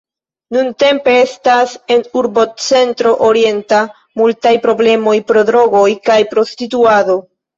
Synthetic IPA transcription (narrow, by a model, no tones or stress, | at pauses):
nunte̞mpe̞e̞stase̞nuɾbo̞t͡se̞ntɾo̞ʔoɾie̞nta | multajpɾo̞ble̞mo̞jpɾo̞dɾo̞ɡo̞jkajpɾo̞stituado̞